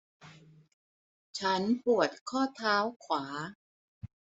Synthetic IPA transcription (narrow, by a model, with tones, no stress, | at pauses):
t͡ɕʰa˦˥npu˨˩ət̪̚kʰɔː˥˩t̪ʰaː˦˥wkʰwaː˩˦